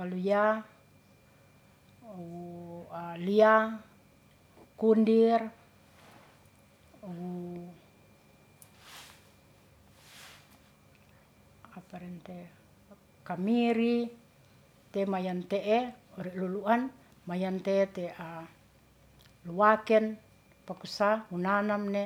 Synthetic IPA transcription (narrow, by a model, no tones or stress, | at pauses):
kaluja | wualia | kundir | wu | apaɾɛnt̪e | kamiɾi | t̪ɛmajant̪eʔɛoɾiluluan | majant̪eːt̪ɛa | luwakɛn | pakusaunanamne